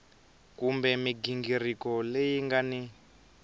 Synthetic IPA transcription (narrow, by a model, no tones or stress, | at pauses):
kumbɛmiɡiŋɡirikɔlejiŋɡani